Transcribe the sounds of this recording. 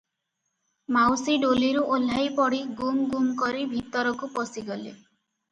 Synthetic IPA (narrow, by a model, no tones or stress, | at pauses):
mawsiɖoliɾuʔolajpɔɽiɡumɡumkɔɾibʱit̪ɔɾɔkupɔsiɡɔle